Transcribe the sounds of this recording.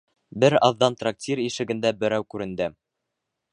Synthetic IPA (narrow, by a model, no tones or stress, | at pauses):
bɘɾɑðːɑnt̪rak̚tʲiɾiʃɘ̆ɡɘ̆nd̪æbɘ̆ɾæwkʉɾɘ̆nd̪ɘ